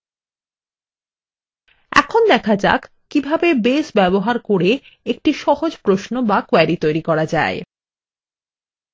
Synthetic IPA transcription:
ɛ̰kʰond̪ɛkʰad͡ʑa̰k | kːibʱabebesbɛboɦaɾkoɾe | ek̚ʈiʃɔhod͡ʑpɾoʃnobakwɛɾit̪ojɾikɔɾad͡ʑa̰e

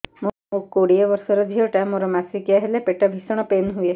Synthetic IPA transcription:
momukkːoɽieʋɔɾsɔɾɔd͡ʒʱiɔʈamoɾɔmasikjaɦelepeʈabʱisɔɽ̃ɔpenɦue

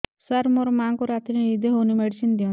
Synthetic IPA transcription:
saɾmɔɾmaŋkɔɾat̪ɾinid̪eɦonimeɽsind̪iɔ̃

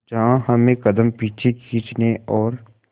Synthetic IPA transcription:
d͡ʒɐɦãhɐmẽkɐd̪əmpiːt͡ʃʰekʰiːt͡ʃneʔɔːɾ

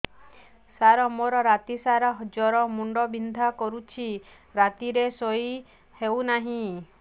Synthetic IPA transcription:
saɾɔmoɾɔɾat̪isaɾɔɦd͡ʒɔɾɔmuɳɖɔbind̪ʱakɔɾut͡ʃʰi | ɾat̪iɾesɔj | hewnaɦĩ

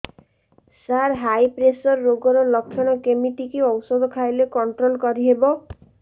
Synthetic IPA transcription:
saɾɦajpɾesɔɾːoɡɔɾɔlɔkʰːjɔɽ̃ɔkemiʈikiɔwsɔd̪ʱɔkʰajlekɔɳʈɾolkɔɾiɦebɔ

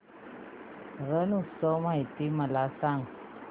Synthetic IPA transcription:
ɾənusomajt̪iməlasaŋ

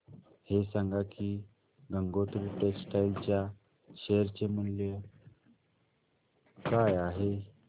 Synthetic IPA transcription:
hesaŋɡaki | ɡəŋɡot̪ɾuʈeksʈajlt͡ɕja | ɕeəɾt͡ɕemənlə | kajaɦe

